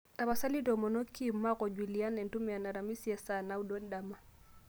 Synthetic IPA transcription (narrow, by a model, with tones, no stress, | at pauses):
ta˨βa˨sa˦li˦dɔ˨mɔ˨nɔ˦kːi˦mːa˦kɔ˨d͡ʒwi˨li˨a˦nɛ˨n˨tu˦mɛ˨a˨na˨ɾa˨mi˦si˦ɛ˨sa˨na˨˦u˦dɔ˦n˦da˨ma˨